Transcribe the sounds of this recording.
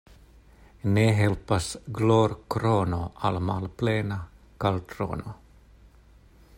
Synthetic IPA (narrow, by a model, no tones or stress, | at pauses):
neːɦɛlpasɡloːɾkɾoːnoʔalmaːlpleːna | kalt̪ʰɾo̰ːno